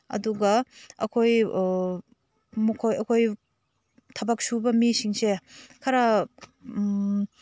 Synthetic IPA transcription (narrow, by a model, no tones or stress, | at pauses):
ɐ̰duɡɐɐ̰kʰoj | mukʰojɐkʰoj | tʰɐbak̚subɐmisiŋsekʰɐɾa